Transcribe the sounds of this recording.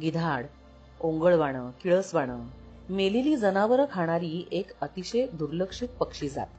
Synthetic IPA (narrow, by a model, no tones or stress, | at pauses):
ɡid̪ʱaɽ | oŋɡəɭʋaɽ̃əkiɭəsʋaɽ̃ə | meliliːd͡zənaʋəɾkʰaɽ̃aɾiːekət̪iɕəd̪uɾləkʂit̪̚pəkʂiːd͡za̰t̪